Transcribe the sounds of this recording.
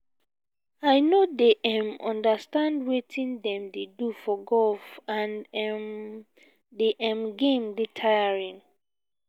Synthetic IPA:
aɪnodeʔɛ̃mɔ̰̃ndastãndwetʰĩndɛ̃mdedufɔɡɔlfãnɛm | deʔɛ̃mɡẽmdetʰajaɹĩn

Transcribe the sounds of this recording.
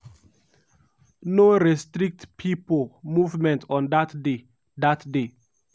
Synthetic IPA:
noɾɛstɾik̚tpʰipəl̩muvmɛ̃ntʰɔ̃ndatde | datde

